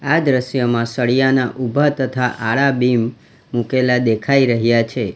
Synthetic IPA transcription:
ad̪ɾəʃjəmãsəɭijanaʔubʱat̪ət̪ʰaʔaɭabimː | ukelad̪ekʰaiɾəɦjat͡ʃʰe

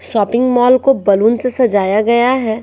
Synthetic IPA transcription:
ʃɔːpɪ̃ŋɡmɔːlkobɐlunsesɐd͡ʒaːjaɡɐjaɦɛː

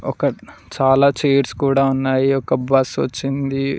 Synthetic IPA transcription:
ɔkɐt͡ʃaːlaːt͡ʃeːɐɾskuːɽaːunːaːjiɔkɐbɐsʋɐ̰t͡ʃːind̪i

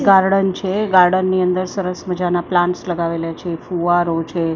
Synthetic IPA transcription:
ɡaɾɽənt͡ʃʰeɡaɾɖənːiənd̪əɾsəɾəsməd͡ʒanaplãɳʈsləɡaʋeljat͡ʃʰefuaɾot͡ʃʰe

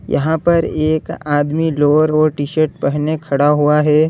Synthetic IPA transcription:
jɐ̰ɦãpɐɾeːkaːd̪miloːɾɔːɾʈiʃəɾʈ̚pɛɦnekʰɐɽaɦuaɦɛː

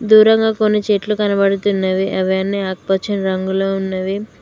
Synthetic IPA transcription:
d̪uːɾɐŋɡaːkonːit͡ʃeʈlukɐnɐbɐɽut̪unːɐʋiʔɐʋjanːiaːk̚pɐt͡ʃːɐnɐɾɐŋɡuloːunːɐʋi

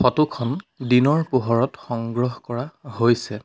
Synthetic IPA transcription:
pɔtukʰɔndinɔɹpuɦɔɹɔtxɔŋɡɹɔɦkɔɹahojsɛ

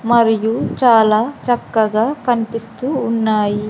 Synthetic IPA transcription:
mɐɾijut͡ʃaːlaːt͡ʃɐkːɐɡaːkɐnipist̪uːnːaːji

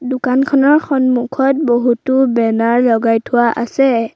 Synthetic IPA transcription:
dʊkankʰɔnɔɹxɔnmukʰɔt̚boɦutʊbɛnaɹlɔɡajtʰʊwaʔasɛ

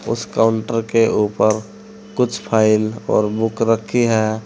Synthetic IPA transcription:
ʊ̰skaʊɳʈəɾkeʔuːpəɾ | kʊt͡ʃʰpʰaːɪlɔ̰ːɾbʊkɾəkʰːiɦɛː

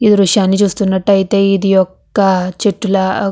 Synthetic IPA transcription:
id̪iɾuʂjaːnːit͡ʃuːst̪unːɐʈːɐjit̪e̞ːid̪ijɔkːɐt͡ʃeʈːulɐ

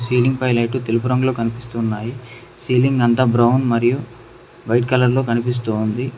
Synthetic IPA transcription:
siːliŋɡpɐjlɐjʈut̪elupuɾɐŋɡlo̞ːkɐnipist̪uːnːaːji | siːliŋɡɐnt̪aːbɾɐwnmɐɾiju | ʋɐjʈkɐlɐɾlo̞ːkɐnipis̬t̪uːnd̪i

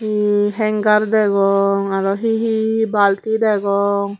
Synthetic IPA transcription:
iɦɛŋɡaɾd̪ɛɡɔŋaɾɔɦiɦibalt̪id̪ɛɡɔŋ

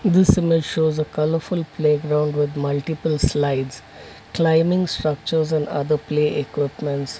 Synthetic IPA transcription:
d̪ɪsɪmɪd͡ʒʃoːzəkʌləɾfʊlpʰleːɡɾãʊ̃ɳɖʋɪd̪mʌlʈɪpəlslaɪɖz̥ | klãɪmɪ̃ŋɡsʈɾʌk̚t͡ʃəɾzɛ̃ɳɖʌ̰d̪əpleːʔekwɪpmə̃ɳʈs

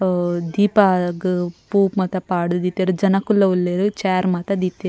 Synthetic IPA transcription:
d̪iːpaɡpuːpmɐt̪ɐpaːɽud̪iːt̪eːɾud͡ʒɐnɐkulːɐulːeːɾut͡ʃaːɾmat̪ɐd̪iːt̪ːe

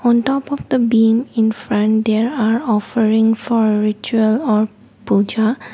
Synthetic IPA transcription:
ɔ̃ntɔpɔfd̪əbĩmĩnfɹãnd̪ɛɹaɹɔfəɹĩŋfɔɹɹit͡ʃuəlɔɹ | pud͡ʒa

